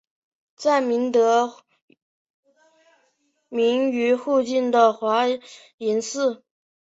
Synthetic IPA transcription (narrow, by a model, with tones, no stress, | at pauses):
t͡sa˥˩ɪmi˧˥nt̪ɤ˧˥ | mi˧˥ŋy˧˥xu˥˧t͡ɕi˥˩nd̪ə˩xwa˧˥ | i˧˥nsɹ̩˥˩